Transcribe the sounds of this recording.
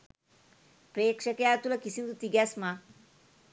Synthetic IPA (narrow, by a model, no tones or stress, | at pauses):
pɾeːkʂəkəjaːt̪ulɐkisind̪ut̪iɡɛsma